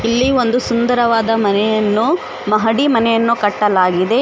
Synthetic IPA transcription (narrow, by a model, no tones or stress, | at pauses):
ilːio̞nd̪usund̪ɐɾɐʋaːd̪ɐmɐnɛjɐnːu | mɐɦɐɽimɐnɛjɐnːukɐʈːɐlaːɡid̪e̞